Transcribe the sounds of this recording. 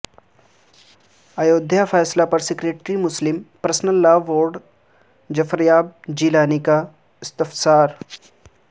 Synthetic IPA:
əjoːd̪ʱjafɛjslapəɾsikɾeʈɾiːmuslimpɾəsnəlːaʋoːɾɖ | d͡ʑəfəɾjaːb̚d͡ʑilaːnika | st̪əfsaːɾ

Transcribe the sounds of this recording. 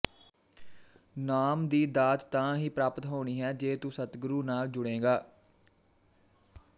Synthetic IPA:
naːmd̪iːd̪aːt̪t̪ãːɦiːpɾaːpət̪ɦoːɽ̃iːɦɛːd͡ʒeːt̪usət̪ɡʊɾuːnaːld͡ʒʊɽ̃ẽːɡaː

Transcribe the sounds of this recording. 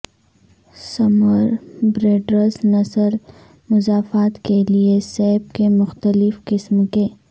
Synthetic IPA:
sɐməɾbɾeːɖɾəznɐsəl | mʊzaːfaːt̪keliesɛːb̚kemʊxt̪əlɪfqɪsmkeː

